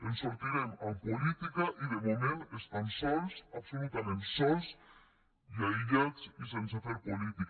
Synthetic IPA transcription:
ənsuɾt̪iɾɛmampolit̪ikaʔiðəmomẽnest̪ansɔlsapsolut̪amẽnsɔls | jaiʎat͡sisensat̪oɾpolit̪ik

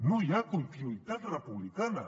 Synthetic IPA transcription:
nʊjakʊjp̪ɪjʊjt̪at̪ɾapʊblɪkana̰

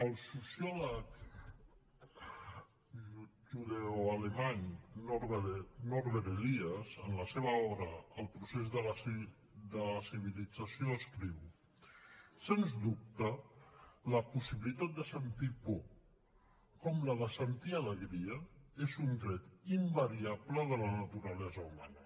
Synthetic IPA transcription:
əlˠsusjɔlək | ʒut̪uðeoalemaɲnɔɾβənɔɾβeɾeliəzənləseβəɔβɾəːlˠpɾusezðəl | d̪ələsiβilid͡zəsioəskɾiw | senzd̪up̚t̪ə | ləpusiβilit̪at̪̚d̪əsənt̪ipɔ | kɔmləðəsənt̪ialəɣɾiəezund̪ɾɛt̪imbəɾiaβləðələnət̪uɾəlɛzəuma̰nə

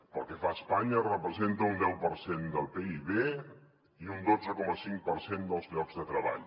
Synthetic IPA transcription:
pəlˠkəfaəspaɲərəpɾəzent̪əund̪ɛwpəɾsend̪əlˠpeiβe | iund̪od͡zəkɔməsiŋk̚pəɾsend̪əlˠzʎɔɡzðət̪ɾəβa̰ʎ

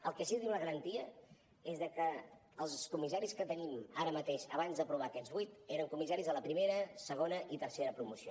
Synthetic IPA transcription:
əlˠkɛsiðiwnəɣəɾənt̪iə | ezðəkəː | lˠskumisaɾiskət̪ənimaɾəmət̪eʃəβ̞anzðəpɾuβ̞akɛd͡zβujt̪eɾəŋkumisaɾizələpɾimeɾəsəɣ̞onəʔit̪ərseɾəpɾumusio

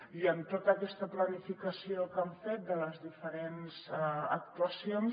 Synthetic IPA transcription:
iənt̪ot̪əːkɛst̪əplənifikəsiokəɱfet̪̚d̪ələzðifəɾenzək̚t̪uəsion

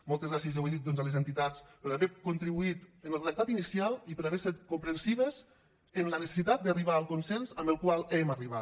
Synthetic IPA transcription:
mɔlˠt̪ezɣɾasiezeweðit̪̚d̪ɔnzalezent̪it̪at͡spəɾaβɛkunt̪ɾiβuit̪ənlˠt̪ək̚t̪at̪inisialˠipəɾaβɛset̪kumpɾənsiβəz | ənlənəse̥sit̪at̪̚d̪ariβ̞aəlˠkunsɛnzəmbəlˠkwalˠɛməriβa

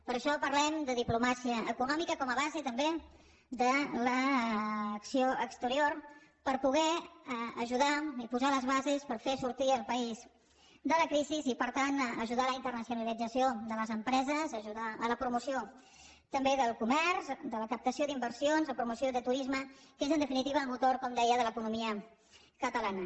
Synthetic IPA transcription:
pəɾəʃɔpəɾlɛmd̪əðiplumasiəəkunɔmikəkɔməβazet̪əmbe | d̪ələː | ksioəkst̪əɾioɾpəɾpuɣ̞ɛəʒuðaipuzaləzβ̞azespəɾfesuɾt̪iəlˠpəiz | d̪ələkɾizizipəɾt̪anəʒuðaləint̪ərnəsiunəlid͡zəsioðələzəmpɾɛzəzəʒuðaələpɾumusio | t̪əmbeðəlˠkumɛɾzd̪ələkəp̚t̪əsjoðimbəɾsionzðəpɾumusjoðət̪uɾizməkezənd̪əfinit̪iβəːlmut̪oɾkɔmd̪ɛjəðələkunumiə | kət̪əlanə

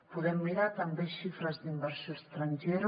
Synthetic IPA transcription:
puðɛmːiɾat̪ambeʃifɾɐzd̪imbɛɾsjost̪ɾanʲʒɛɾ

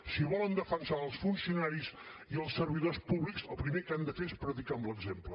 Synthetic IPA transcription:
siβɔlənd̪əfənsaəlˠsfunsiunaɾiz | iəlˠsərβiðospuβliksəlˠpɾimekand̪əfeespɾət̪ikaəmbləɡzemplə

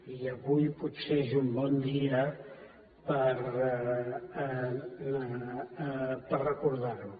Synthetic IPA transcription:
iəβujput̪seezumbɔnd̪iə | pəɾ | pərəkuɾðaɾu

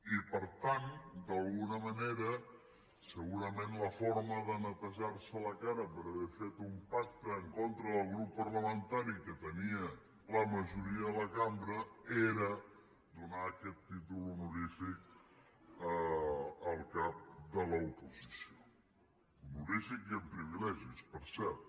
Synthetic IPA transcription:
ipəɾt̪and̪əlˠɣunəməneɾə | səɣuɾəmenləfoɾməðənət̪əʒaɾsələkaɾəpəɾəβɛfet̪umpak̚t̪əːŋkont̪ɾəðəlˠɣɾupːəɾləmənt̪aɾikət̪əniə | ləməʒuɾiəðələkambɾəeɾə | d̪unaːkɛt̪ːit̪ulunuɾifik̚ | ə | əlˠkap̚d̪ələupuzisio | nuɾifikiəmpɾiβ̞ilɛʒispəɾsɛɾt̪

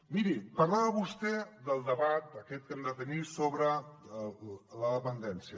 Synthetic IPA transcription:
miɾipəɾlaβəβust̪ɛd̪əlˠd̪əβat̪̚d̪əkɛt̪̚kənd̪ət̪ənisoβɾə | ləpənd̪ɛnsiə

